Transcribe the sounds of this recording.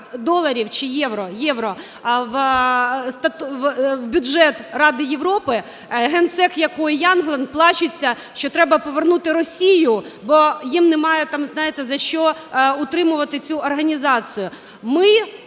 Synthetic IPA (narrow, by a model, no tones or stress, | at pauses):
d̪ɔlˠɐɾʲiwt͡ʃɪjɛʋɾɔjɛʋɾɔ | ʋ | st̪ɐt̪wbʲʊdʒɛt̪rɑd̪ɪjeʋɾɔpɪ | ɦɛnt̪sɛkjɐkɔjjɑnɦlˠɐnplˠɑt͡ʃʊt͡sʲːɐ | ʃt͡ʃɔt̪ɾɛbɐpɔʋernut̪ɪɾɔsʲijʊbɔjimnɛmɑjɛt̪ɑmznɑjɪt̪ɛzɐʃt͡ʃɔʊt̪ɾɪmʊʋɐt̪ɪt͡sʲuɔrɦɐnʲizɑt͡sʲijʊ | mɪ